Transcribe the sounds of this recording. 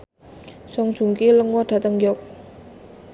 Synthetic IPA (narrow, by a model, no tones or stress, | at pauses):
sɔŋ̥ʒ̥ṳŋkiləŋwɔɖ̥a̤t̪əŋjɔk̚